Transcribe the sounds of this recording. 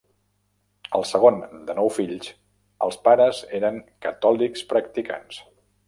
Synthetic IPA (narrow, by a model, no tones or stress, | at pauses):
əlˠsəɣ̞ond̪ənɔwfiʎs | ə̰lˠspaɾəzeɾəŋkət̪ɔlikspɾək̚t̪ika̰ns